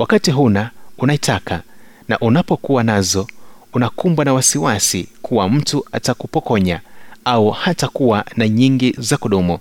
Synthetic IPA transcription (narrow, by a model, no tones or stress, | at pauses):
wakatiɦunaunaitakʰa | na̰ʔunapɔkuwanazɔunakumbwanawasiwasikʰuwam̩tuatakupɔkɔɲaauhatakuwanaɲiŋɡizakuɗumu